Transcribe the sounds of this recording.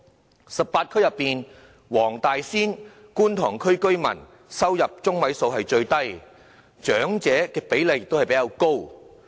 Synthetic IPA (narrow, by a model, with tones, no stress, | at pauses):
sɐ˨p̚paː˧t̚kʰɵ˥ɥjɐ˨pːiː˨n | wɔː˨˩ŋt̪aː˨jsiː˥nkuː˥nt̪ʰɔː˨˩ŋkʰɵ˥ɥkɵ˥ɥmɐ̰˨˩n | sɐ˥wjɐ˨p̚t͡ʃʊ˥ŋmɐ˨˥jso˧wɦɐ˨jt͡ʃɵ˧ɥt̪ɐ˥j | t͡ʃœː˨˥ŋt͡sɛː˨˥kɛː˧pe˨˥jle˨kjɪ˨k̚t̪o˥whɐ˨jpe˨˦˥jaː˨˧wko˥w